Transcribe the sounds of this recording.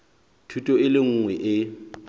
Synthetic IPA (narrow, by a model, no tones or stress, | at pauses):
tʰutʼɔɪlɪŋ̩ŋwɛʔɪ